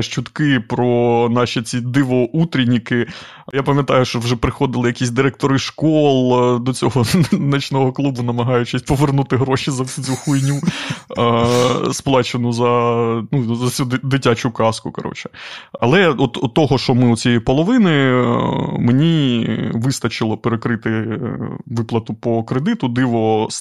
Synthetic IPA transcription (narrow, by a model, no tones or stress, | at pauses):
ʃt͡ʃʊt̪kɪpɾɔnɑʃʲit͡sʲid̪ɪʋɔʔut̪ɾʲinʲikɪ | japɐmʲjɐt̪ɑjʊʃt͡ʃɔwʒɛpɾɪxɔd̪ɪlˠɪjɐkʲisʲd̪ɪɾɛk̚t̪ɔɾɪʃkɔlˠd̪ɔt͡sʲɔɦɔnɐt͡ʃnɔɦɔklˠubʊnɐmɐɦɑjʊt͡ʃɪsʲpɔʋernut̪ɪɦɾɔʃʲizɐt͡sʲuxujnʲu | splˠɑt͡ʃenʊzɐnuzɐt͡sʲud̪d̪ɪtʲat͡ʃʊkɑskʊkɐɾɔ̰t͡ʃɛ̥ɐ̰lˠɛɔt̪ɔt̪ːɔɦɔʃɔmɪʊt͡sʲijɛjipɔlˠɔʋɪnɪ | menʲiʋɪst̪ɐt͡ʃɪlˠɔpeɾekɾɪt̪ɪ | ʋɪplˠɐt̪ʊpɔkɾed̪ɪt̪ʊd̪ɪʋɔs